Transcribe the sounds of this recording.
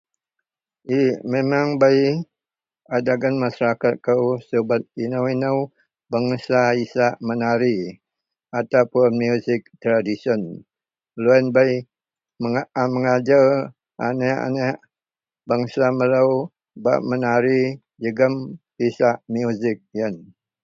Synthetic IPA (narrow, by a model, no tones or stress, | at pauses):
imemaŋbaj | adaɡanmasaɾakat̪̚kəwsəbat̪̚inəwinəw | baŋsaisaʔmənaɾi | at̪awpʊnmjuzɪk̚t̪ɾadisɔn | loɛnbaj | məməŋad͡ʒa | ʔa̰nɛa̰naʔ | baŋsamələw | ba̰ʔmənaɾi | d͡ʒəɡəmpisaʔmjuzɪk̚jən